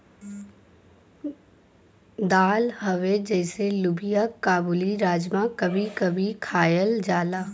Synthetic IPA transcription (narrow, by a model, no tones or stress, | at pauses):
d̪aːlhɐʋed͡ʒɛːselʊbijakaːbuːliɾaːd͡ʒmãkɐbʱikɐbʱikʰaːjəld͡ʒaːlaː